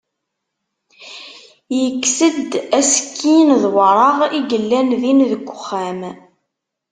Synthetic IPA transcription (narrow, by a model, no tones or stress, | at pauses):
jəkːsəd̪æskʰːinðwəɾˤɑʁiɡəlːænðinðəɡʷːʊχːæm